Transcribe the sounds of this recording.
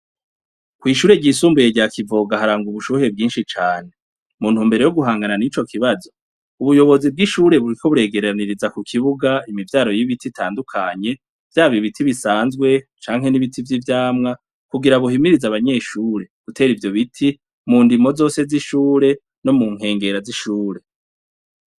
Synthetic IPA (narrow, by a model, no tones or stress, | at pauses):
kwiːʃuːɾe̞ɟiːsuːmbuje̞ɟakʰivo̞ːɡaɦaɾaːŋɡuβuʃuhe̞bɡiːnʃit͡ʃaːn̥e̞ | muːn̥umbe̞ɾe̞joɡuɦaːŋɡananit͡ʃo̞kʰiβazo̞ | uβujo̞βo̞zib̚ɡiʃuːɾe̞βuɾikʰo̞βuɾe̞ːɡe̞ɾaniɾizakukʰiβuɡaimivjaːɾo̞jiβititʰaːndukʰaɲe̞ | v̥jaːβiβitʰiβisaːnzɡwe̞t͡ʃaːŋɦe̞niβitʰivjivjaːmŋa | kuɡiɾaβuɦimiɾizaβaɲe̞ːʃuːɾe̞ɡ̥utʰe̞ːɾivjo̞βitʰi | muːndimo̞zo̞ːse̞ziʃuːɾe̞ | no̞muŋ̥e̞ːŋɡe̞ɾaziʃuːɾe̞